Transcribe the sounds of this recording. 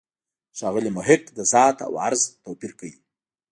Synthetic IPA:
ʃɑɣəlimʊɦɪqd̪əzɑːt̪a̰wa̰ɾzt̪owpiɾkawi

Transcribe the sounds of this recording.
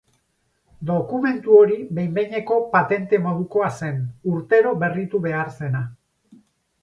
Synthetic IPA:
d̪o̞kume̞nt̪uo̞ɾiβe̞jmbe̞jɲe̞ko̞pat̪e̞nt̪e̞mo̞ð̞uko̞ase̞nuɾt̪e̞ɾo̞βe̞rit̪uβe̞aɾse̞na

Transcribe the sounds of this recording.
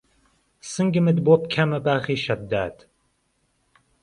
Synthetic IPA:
sɨŋɡɨmɨd̪bop̚kʰɐmɐbaːχiːʃɐd̪ːa̰ːt̪

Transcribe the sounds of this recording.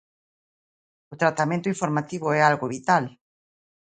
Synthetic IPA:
ʊt̪ɾat̪amẽnt̪ʊĩɱfoɾmat̪iβʊɛalɣoβit̪al

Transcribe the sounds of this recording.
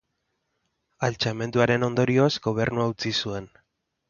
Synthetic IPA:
alt͡ʃame̞nd̪uaɾe̞no̞nd̪o̞ɾio̞zɡo̞β̞e̞ɾnuaut͡sisue̞n

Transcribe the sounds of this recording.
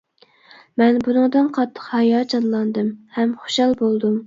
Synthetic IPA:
mɛnbunɨŋd̪ɨnqʰɑt̪ʰːə̥qhɑjɑd͡ʒɑnlˠɑnd̪ɨmhɛmχo̥ʃɑlˠbolˠd̪um

